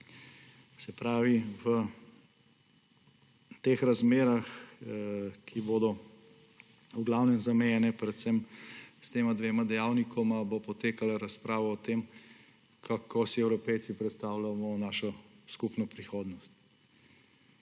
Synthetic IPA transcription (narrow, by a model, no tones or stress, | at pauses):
sɛpɾaːʋiʋə | t̪eːxɾazmeːɾax | kʰiboːd̪ɔ | uɡlawnɛmzamɛjɛnɛpɾɛt̪sɛmst̪eːmad̪ʋeːmad̪ɛjawnikʰɔmabopɔt̪eːkalaɾaspɾaːʋɔːt̪eːm | kʰakʰosiɛwɾɔpɛjt̪sipɾɛt̪st̪awlamɔnaːʃɔskupnɔpɾixoːd̪nɔst̪̚